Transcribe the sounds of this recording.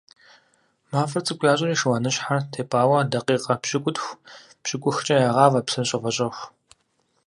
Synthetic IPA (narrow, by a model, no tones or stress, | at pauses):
maːfɐrt͡sʼɨkʷʼjaːɕʼɪriːʃwanɨɕħartʰeːpʰʼaːwɐdɐqiːqɐpɕʼɪkʷʼʊtxʷ | pɕɪkʷʼʊxt͡ʃʼɐjaːʁɑːvɐpsɨnɕʼɐvɐɕʼɐxʷ